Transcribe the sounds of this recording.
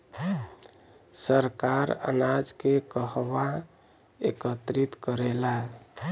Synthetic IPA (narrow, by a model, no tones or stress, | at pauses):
səɾkaɾə̰nad͡ʒkekəɦʋa | ḛkət̪ɾit̪kəɾela